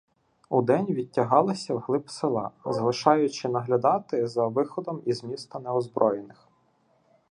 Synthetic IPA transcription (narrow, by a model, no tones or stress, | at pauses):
ud̪ɛnʲʋʲitʲːɐɦɑlˠɐsʲɐwɦlˠɪpsɪlˠɑ̰zɐlˠɪʃɑjʊt͡ʃɪnɐɦlʲɐd̪ɑt̪ɪzɐʋɪxɔd̪ɔmizmʲist̪ɐnɛɔzbɾʔɔjenɪx